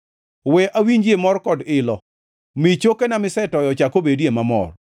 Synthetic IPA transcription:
wɛʔawiɲd͡ʒjemɔrkɔdɪlɔ | mɪt͡ʃokenamɪsɛtɔjɔt͡ʃakobedemamɔ̰r

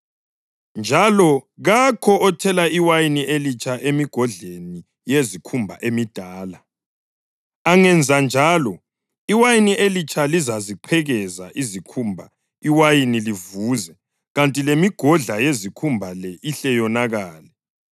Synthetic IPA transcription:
nd͡ʒʱalɔɣakʰɔʔɔtʰɛlaiwajiniʔelit͡ʃʼʰaʔemiɡ̥ʱɔɮeni | jezikʰumbʱa̰ʔemid̥ʱaːla | aŋɛnd͡zʱand͡ʒʱalɔ | iwajiniʔelit͡ʃʰʼalizaziǃʰɛɣɛzaʔizikʰumbʱa | iwajinilivuːzɛ | ɣantʼilemiɡ̥ʱɔɮajezikʰumbʱalɛʔiɬɛjɔnaɣaːlɛ

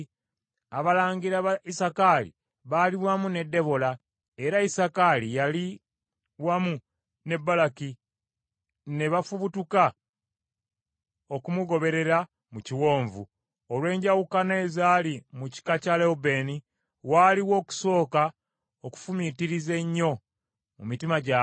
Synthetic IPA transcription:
aβalaːɲɡiɾaβaisakalḭ | βaliwamune̞dːe̞βo̞la | e̞ɾaisakalijali | wamu | ne̞bːalaki | ne̞βafuβutuka | o̞kumuɡo̞βe̞ɾe̞ɾa | muciwo̞ːɱvu | olwe̞ːɲɟawukaneːzaːlimuci̥kacaleobe̞ːni | waːliwo̞ːku̥so̞ːka | oku̥fumitiɾize̞ɲːo̞ | mṵmitimaɟa

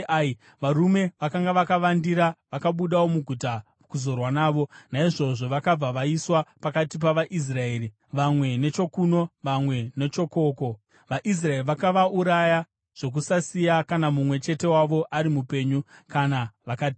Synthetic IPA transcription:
ʋaɾume̞ʋakaŋɡaʋakaʋandiɾaʋakaɓuɗawo̞muɡʱuta | kuzo̞rwanaːʋo̞naiʐo̞ʐo̞ʋakab͡vaʋaiswapakatip̬aʋaʔis̬rae̞ːri | ʋamwe̞ne̞t͡ʃo̞kuno̞ʋamwe̞ne̞t͡ʃo̞ko̞ːko̞ | ʋaʔis̬raeriʋakaʋauɾaja | ʐ̥o̞k̬usasijakanamumwe̞t͡ʃe̞te̞waʋo̞ʔaɾimupe̞ɲukanaʋakaːti

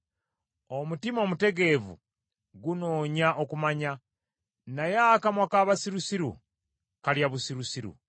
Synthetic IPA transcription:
omutimo̞mute̞ɡe̞vṵ | ɡunoːɲaʔokumaɲa | najakamwakaːβasiɾusiɾṵ | kaljaβusiɾusiɾṵ

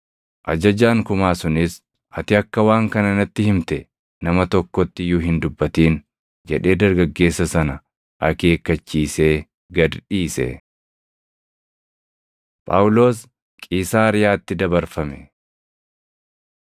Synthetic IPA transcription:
ʔɐd͡ʒɐd͡ʒaːŋkʊmaːsʊnɪs | ʔɐt̪ɪɐkːɐwaːŋkɐnɐnɐt̪ːɪhɪmt̪ɛ | nɐmɐt̪ɔkːɔt̪ːɪjʊːɦɪnd̪ʊbːɐt̪iːn | d͡ʒɛᶑe̞ːd̪ɐɾɡɐɡːe̞ːsːɐsɐnɐ | ʔɐke̞ːkːɐt͡ʃːiːse̞ː | ɡɐd̪ᶑiːsɛ̰ | pʼa̰ːʊlo̞ːs | kʼiːsaːɾɪjaːt̪ːɪd̪ɐbɐɾfɐmɛ

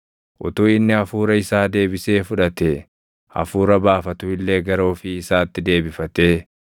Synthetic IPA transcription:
ʔʊ̰t̪uːɪnːɪɐfuːɾɐɪsaːd̪e̞ːbɪse̞ːfʊᶑɐt̪e | ɐ̰fuːɾɐbaːfɐt̪ʊɪlːe̞ːɡɐɾoːfɪːsaːt̪ːɪd̪e̞ːbɪfɐt̪e̞ː

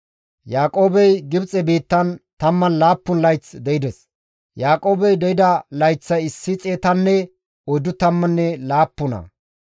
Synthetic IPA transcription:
jaːkʼo̞ːbɛjɡɪbt͡sʼɛbiːt̪ːɐnt̪ɐmːɐnlaːpːʊnlɐjt͡sd̪ɛɪd̪ɛs | jaːkʼo̞ːbɛjd̪ɛjɪd̪ɐlɐjt͡sːɐjɪsːɪt͡sʼeːt̪ɐnːɛ | ɔjd̪ʊt̪ɐmːɐnːɛlaːpːʊnɐ̰

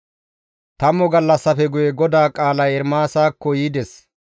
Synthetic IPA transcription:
t̪ɐmɔɡɐlːɐsːɐfɛɡʊjɛɡɔd̪aːkʼaːlɐjɛɾmaːsaːkːɔjiːd̪ɛs

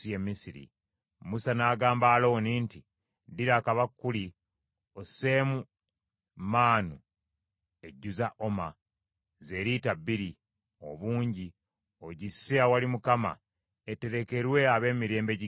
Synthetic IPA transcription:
jemːisiɾḭ | musanaːɡaːmbaːlowniːnti | diɾaːkaβakːuli | oseːmu | maːnu | e̞ɟːuzaʔo̞ma | ze̞ːɾitabːiɾi | o̞̰βuːɲɟi | o̞ɟisːeawalimukama̰ | ete̞ɾe̞ke̞ɾwe̞aβe̞ːmiɾe̞ːmbe̞ɟi

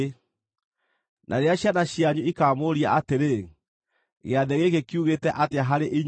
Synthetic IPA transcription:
nʔa̰ɾeaɕjanaɕjaɲuikaːmoɾiaʔateɾe | ɣeaðɛɣeɣekiuɣetɛʔateaɦaɾeʔiɲ

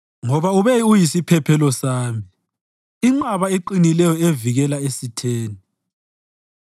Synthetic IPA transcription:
ŋɔβauβɛiujisipʰɛpʰɛlɔsaːmi | iŋ͡ǀaβaeǃinilɛjɔeviɣɛlaesitʰeːni

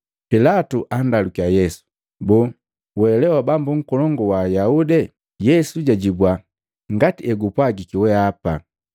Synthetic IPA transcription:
pilatuʔandalukiajɛsu̥ | bu | wɛlɛwabambuŋ̩kɔlɔŋɡɔwajaudɛ | jɛsuɟaɟibwa | ŋɡatiɛɡupwaɡikiwɛapa

